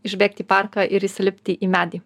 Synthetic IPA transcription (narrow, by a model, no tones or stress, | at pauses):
ɪʒʲbʲeːk̚t̪ʲiːpɑɾkɑʔɪɾisʲɪlʲɪpʲt̪ʲɪʔiːmʲæːd̪ʲiː